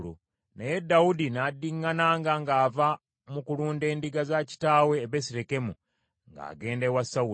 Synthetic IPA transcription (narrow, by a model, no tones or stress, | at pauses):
lṵ | neje̞dːawudinadːiŋːanaːŋɡaŋɡaːva | mukuluːnde̞ːndiɡazaci̥taːwe̞ːβesiɾeke̞mu | ŋɡa̰ːɡe̞ːndewasau